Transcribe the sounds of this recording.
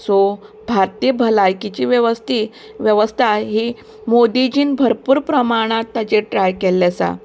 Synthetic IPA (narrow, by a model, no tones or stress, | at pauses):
so | bʱaɾt̪ijəbʱəlajkit͡ɕiːʋjəʋəst̪i | ʋjəʋəst̪ʰaɦi | mod̪id͡ʑiːnbʱəɾpuːɾpɾəmaɽ̃at̪ːad͡ʑeʈɾajkelːasa̰